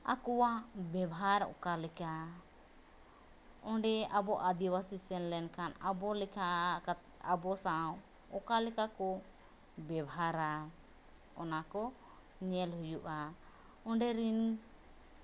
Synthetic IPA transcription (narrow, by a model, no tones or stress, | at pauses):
a̰kɔwabɛbɦaɾɔ̰kalɛka | ɔ̃ɳɖɛabɔʔad̪iwasisɛnlɛnkanabɔlɛka | abɔsaw | ɔkalɛkakɔ | bɛbɦaɾa | ɔnakɔ | ɲɛlhujuʔa | ɔ̃ɳɖɛɾin